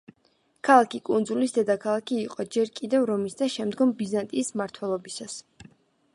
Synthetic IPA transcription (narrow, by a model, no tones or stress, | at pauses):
kʰalˠakʰikʼund̪zulisd̪ɛd̪akʰalˠakʰiːqʼɔd͡ʒɛɾkʼid̪ɛvɾɔmisd̪aʃɛmd̪ɡɔmbizant̪ʼiːsmaɾt̪ʰwɛlˠɔbisas